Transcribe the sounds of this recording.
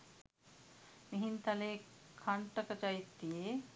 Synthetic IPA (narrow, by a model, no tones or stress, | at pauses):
miɦint̪ɐlekʰɐɳʈəkɐt͡ʃait̪ːie